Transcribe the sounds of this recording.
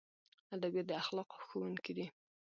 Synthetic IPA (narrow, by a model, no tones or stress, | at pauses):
ad̪abjad̪əaxlɑqo̥xowuŋkid̪i